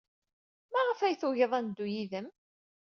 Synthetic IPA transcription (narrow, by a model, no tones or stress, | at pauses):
mæʁəfæjθuʝəðˤænd̪ːujiðəm